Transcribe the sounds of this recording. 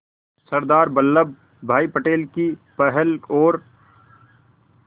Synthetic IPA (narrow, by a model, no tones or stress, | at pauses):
sɐɾd̪aːɾbəlːəb | bʱaːipəʈeːlkipɛɦɛloːɾ